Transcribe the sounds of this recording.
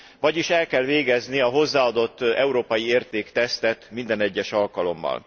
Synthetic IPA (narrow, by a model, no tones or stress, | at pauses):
vɒɟiʃɛlkɛlveːɡɛzniɒɦo̞zːaːɒd̪o̞t̪ːɛuɾoːpɒjieːrt̪eːkt̪ɛst̪ɛt̪mind̪ɛnɛɟːɛʃɒlkɒlo̞̰mːɒ̰l